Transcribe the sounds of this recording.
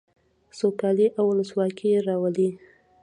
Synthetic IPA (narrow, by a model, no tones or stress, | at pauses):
sokɑliʔawʊləswɑkʰijɾɑwəli